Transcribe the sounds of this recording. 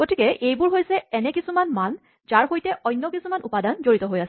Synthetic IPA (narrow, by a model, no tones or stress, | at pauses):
ɡ̥otikɛʔejbʊɹɦojsɛɛnɛkisumanman | zaɹɦojtɛʔɔjnːjɔkisumanupadanzoɹitɔɦojasɛ